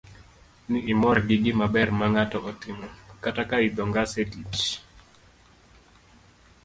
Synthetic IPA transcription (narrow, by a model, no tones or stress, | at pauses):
niːmɔrɡiɡɪmabɛrmaŋatɔʔɔtɪmɔkatakaid̪ɔŋɡasetit͡ʃ